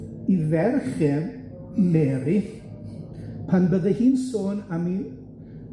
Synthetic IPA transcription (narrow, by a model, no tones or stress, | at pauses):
ivɛrχɛ | mɛːɾi | pʰanbəðəhiːnsoːnami